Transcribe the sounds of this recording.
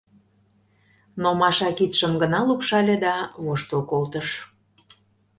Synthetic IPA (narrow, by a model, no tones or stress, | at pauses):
nomɑʃɑkit̪ʃəmɡənɑlupʃɑlʲed̪ɑβoʃt̪əlkolt̪əʃ